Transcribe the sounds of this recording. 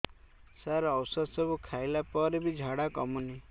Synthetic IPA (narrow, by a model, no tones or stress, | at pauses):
saɾɔwsɔd̪sɔbukʰajlapɔɾebid͡ʒʱaɽakɔmuni